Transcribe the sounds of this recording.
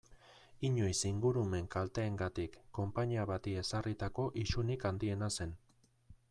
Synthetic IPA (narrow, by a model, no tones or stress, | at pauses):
iɲo̞jsiŋɡuɾume̞ŋkalt̪e̞ːŋɡat̪ikːo̞mpaɲiaβat̪ie̞sarit̪ako̞ʔiʃunikand̪ie̞nase̞n